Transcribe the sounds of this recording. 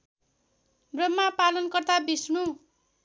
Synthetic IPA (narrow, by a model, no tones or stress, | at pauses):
brʌmːapalʌnkʌrt̪abisnu